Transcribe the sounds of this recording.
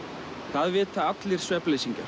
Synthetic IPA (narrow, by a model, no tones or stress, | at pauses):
θaðvɪːt̪θaat̪lɪɾ̥svɛplejsiɲca̰ɾ